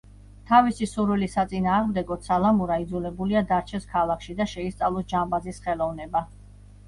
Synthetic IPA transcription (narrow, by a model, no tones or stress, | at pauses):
t̪ʰavisisuɾwilisat̪sʼinaːʁmd̪ɛɡɔt̪salˠamuɾaid̪zulɛbuliad̪aɾt͡ʃʰɛskʰalˠakʃid̪aʃɛist̪sʼavlˠɔsd͡ʒambazisχɛlˠɔvnɛba